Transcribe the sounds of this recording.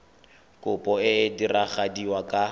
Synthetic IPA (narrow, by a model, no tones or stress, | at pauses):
kʼʊpʼɔɪdiraχadiwakʼa